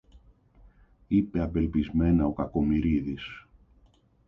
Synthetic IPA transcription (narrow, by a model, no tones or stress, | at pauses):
ipe̞ɐpe̞lpizme̞nɐo̞kɐko̞miɾiðis